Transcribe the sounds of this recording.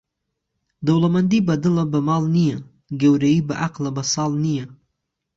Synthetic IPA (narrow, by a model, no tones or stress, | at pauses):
d̪awlamand̪ibad̪əlabəmɑlnija | ɡewɾaibəʔaqlabasɑlnija